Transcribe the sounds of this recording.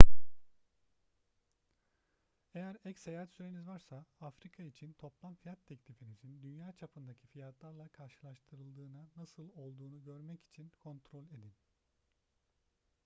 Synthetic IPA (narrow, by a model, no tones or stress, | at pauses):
ejæɾɛcsejaɦat̪syɾe̞nizvaɾsaafɾikʰait͡ʃʰint̪ʰo̞plˠamfijat̪ʰːɛclʲifinid͡ʒ̪ʰind̪ynjaːt͡ʃʰapʰɯnd̪acʰifijat̪lˠaɾlˠakʰaɾʃɯlˠaʃt̪ʰɯɾɯlˠd̪ɯːnanasɯlˠo̞lˠd̪uːnuɟø̞ɾmɛci̥t͡ʃʰinkʰo̞nt̪ʰɾo̞lʲe̞d̪in